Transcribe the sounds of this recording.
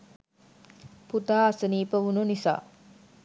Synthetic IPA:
put̪aːasəniːpəʋununisa̰ː

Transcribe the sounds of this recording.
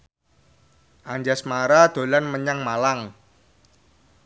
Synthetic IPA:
ʔaɲd͡ʒasmaɾad̪̥o̤lanməɲaŋmalaŋ

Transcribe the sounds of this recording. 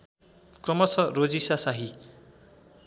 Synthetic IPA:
krʌmʌsʌrod͡zisasaɦi

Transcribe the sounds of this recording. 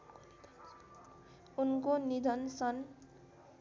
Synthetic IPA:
unkonid̪ʱʌnsʌn

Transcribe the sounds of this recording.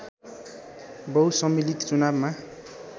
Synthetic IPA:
bʌwsʌmilikt͡sunabma

